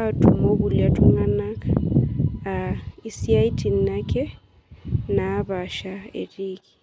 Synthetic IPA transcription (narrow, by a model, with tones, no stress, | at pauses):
a˦tʼu˨mo˦βu˨lia˨tʰʼu˦ŋa˦na˦kʼa | a˨i˦si˦a˦i˦tʼi˨n̩na˦kʼɛ˦ | na˨˦βa˨ʃa˨ḛ˨riː˦ki̥˨